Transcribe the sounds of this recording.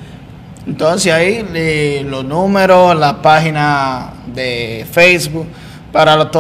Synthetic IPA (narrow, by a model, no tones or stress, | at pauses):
ent̪onsesaielosnũmeɾolapaxina | d̪efejsbuk̚ | paɾalot̪o